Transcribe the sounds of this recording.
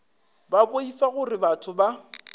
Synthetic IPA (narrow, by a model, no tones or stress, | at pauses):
baboifaɣʊrɪbatʰʊba